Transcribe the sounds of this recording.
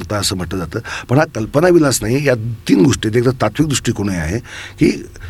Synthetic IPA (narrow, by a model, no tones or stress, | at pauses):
ɾt̪aəsəːm̤əʈləd͡zat̪əːpəɳɦakəlpənaʋilat͡snaɦijat̪iːnɡʱoʂʈiet̪ekt̪ət̪at̪ʋik̚d̪ɾuʂʈiːkoɽ̃əa̰ɦekiː